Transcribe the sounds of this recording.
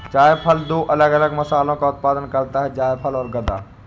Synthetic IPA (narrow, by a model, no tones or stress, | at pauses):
t͡ʃaːjpʰəld̪oːʔɐləɡɐləɡmɐsaːlõkaʊt̪̚paːd̪ənkɐɾt̪aɦɛd͡ʒaːjpʰɐlɔːɾɡɐd̪a̰ː